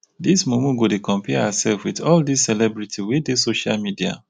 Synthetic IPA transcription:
dismũmũɡodekɔ̃mpʰɛasɛlfwiðɔldissɛlɛbɹitʰiwidesoʃa̰lmidia̰

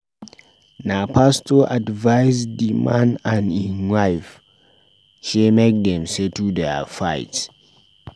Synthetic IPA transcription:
napastɔʔadvaɪsdimãnãnĩnwaɪf | ʃemek̚dɛ̃msetudɛfaɪt

